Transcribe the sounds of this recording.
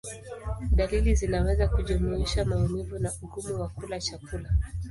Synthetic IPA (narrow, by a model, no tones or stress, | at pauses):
ɗalilizinawɛzakuʄumuiʃamaumivunauɠumuwakulat͡ʃakula